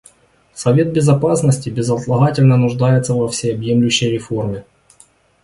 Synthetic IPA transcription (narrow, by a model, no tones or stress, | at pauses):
sɐvʲe̞t̪̚bʲɪzɐpasnəsʲtʲɪbʲɪzɐt̪lˠɐɣatʲɪlʲnənʊʐd̪ajɪt̪səvɐfsʲɪjɐbjemlʲʊɕːəjɾʲɪfo̞rmʲɪ